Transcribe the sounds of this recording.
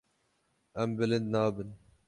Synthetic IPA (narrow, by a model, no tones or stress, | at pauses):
ɛmbɨlɨnd̪nɑːbɨn